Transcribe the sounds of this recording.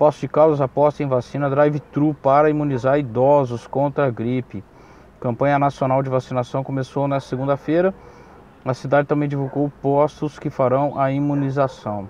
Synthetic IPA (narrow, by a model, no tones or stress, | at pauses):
pɔsʊd͡ʒɪkawzɐzapɔst̪ɐẽj̃vasĩnɐd̪ɾajvɪt̪ɾupaɾɐimũnizaɾid̪ɔzʊskõnt̪ɾɐɡɾipɪ | kɐ̃mpɐ̃ɲɐnasionawd͡ʒɪvasinasɐ̃w̃komesownɛst̪ɐseɡũnd̪ɐfejɾɐ | ɐsid̪ad͡ʒɪt̪ɐ̃mbẽj̃d͡ʒivuɡowpost̪ʊskɪfaɾɐ̃w̃ʔɐimũnizasɐ̃w̃